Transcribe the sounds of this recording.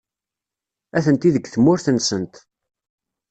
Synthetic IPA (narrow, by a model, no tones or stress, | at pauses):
æθənt̪iðəɡθəmːʊɾθənsənt̪